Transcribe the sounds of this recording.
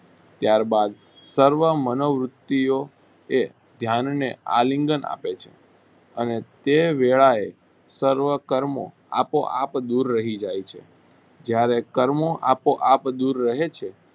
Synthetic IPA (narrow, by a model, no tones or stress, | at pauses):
t̪jaɾbad̪ | səɾʋəmənoʋɾʊt̪ːio | e | d̪ʱjannea̰liŋɡəna̰pet͡ʃʰe̥̰ | ənet̪eʋeɭae | səɾʋəkəɾmo̰ | a̰poʔa̰pd̪uɾːəɦid͡ʒajt͡ʃʰḛ | d͡ʒjaɾekəɾmoʔapoʔapd̪uɾːəɦet͡ʃʰe